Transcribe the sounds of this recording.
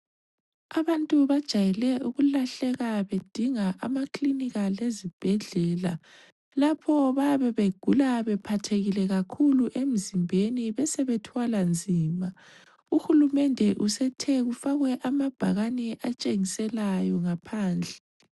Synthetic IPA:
aβantʼuβad̥ʒ̥ʱajɛlɛuɣulaɬɛɣaβed̥ʱiŋaʔamakliniɣalezib̥ʱɛɮɛːla | lapʰɔβaβɛβeɡ̥ʱulaβɛpʰatʰeɣilɛɣakʰuluʔem̩zimbʱeniβɛsɛβɛtʰwaland͡zʱiːma | uxulumɛndʱɛʔusɛtʰɛɣufaɣwɛʔamab̥ʱaɣanɛʔat͡ʃʼeŋisɛlajɔŋapʰaːnd͡ɮʱɛ

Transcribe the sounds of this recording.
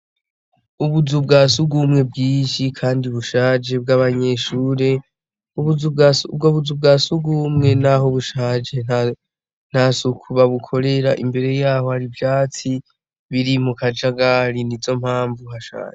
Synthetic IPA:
uβuzubɡaːsuɡumŋe̞b̚ɡiːnʃikʰaːndiuβuʃaːd͡ʒe̞bɡaβaɲe̞ʃuːɾe̞ | uβubɡoβuzub̚ɡaːsuɡumŋe̞naɦo̞βuʃad͡ʒe̞ | n̥hasukʰuβaβukʰo̞ɾe̞ɾa̰ʔḭmbe̞ɾe̞jaːho̞haɾivjaːt͡si | βiɾimukad͡ʒaɡaɾinizo̞m̥haːɱvuhaʃa̰ːɲe

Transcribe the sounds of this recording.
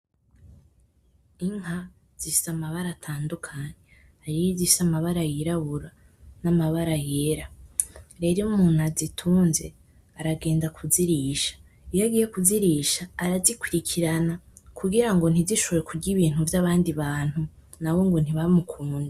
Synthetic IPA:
iŋ̥a | z̥isamaβaɾatʰaːndukʰaɲe | haɾijizisamaβaɾajiɾaβuɾa | namaβaɾajeːɾa | ɾe̞ɾiumuːn̥hazitʰuːnze̞ | aɾaɡe̞ːndakʰuziɾiːʃḁ | ijaɡiːje̞kuziɾiʃaːɾazikwiɾikʰiɾanakʰuɡiɾaŋɡo̞n̥iziʃoβoɾekʰuɟiβiːn̥huvjaβaːndiβaːn̥hu | nawo̞ŋɡon̥hiβaimukʰuːndi

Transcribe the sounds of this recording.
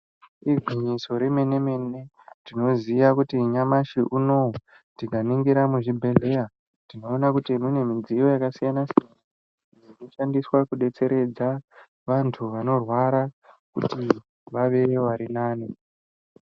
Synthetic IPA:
iɡʱwiɲiso̞ɾeme̞ne̞me̞ne̞ | tino̞ziʋakutiɲamaʃiʔuno̞ | ttikaniŋɡiɾamuʐibʱe̞le̞ja | ndino̞ːnakutimune̞mid͡zijo̞jakasijanasian | ʐino̞ʃandiswakuɗe̞t͡se̞ɾe̞d͡za | ʋantʰuʋano̞rwaɾa | kṵti | ʋaʋe̞ʋaɾinaːni

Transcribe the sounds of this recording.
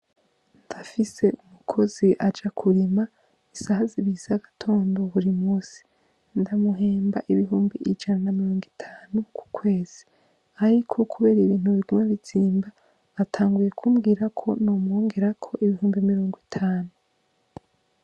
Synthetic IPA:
ndafise̞umukʰo̞ziʔad͡ʒakʰuɾima | isahaziβizaɡatʰo̞ːndo̞βuɾimuːsi̥ | ndamuɦeːmbaʔiβiɦuːmbiʔid͡ʒananamiɾo̞ːŋɡitʰaːnukʰu̥kʰwe̞ːz̥i̥ | aɾikʰokʰuβe̞ːɾiβiːn̥huβiɡumeβiziːmba | βatʰaːŋɡuje̞kʰumɡiːɾakʰo̞noːmŋoːŋɡe̞ɾakʰo̞ʔiβihuːmbimiɾo̞ːŋɡwitʰaːnu

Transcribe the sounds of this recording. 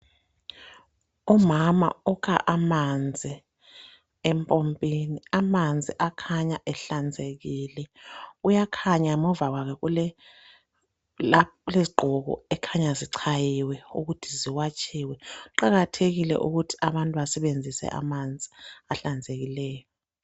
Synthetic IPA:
ɔmama̰ɔkʰa̰ʔamand͡zʱi | ɛmpʼompʼiniamand͡zʱiʔakʰaɲaʔɛɬand͡zʱeɣiːlɛujakʰaɲamɔvaɣwakʰɛkulɛ | leziɡ͡ǃʱɔɣɔ̰ɛkʰaɲaziǀʰajiwɛuɣutʰiziwat͡ʃʰʼiwɛuǃaɣatʰeɣilɛ̰ʔuɣutʰi̥aβantʼuβasɛɓend͡zʱisɛ̰ʔa̰mand͡zʱiaɬand͡zʱeɣilɛːjɔ

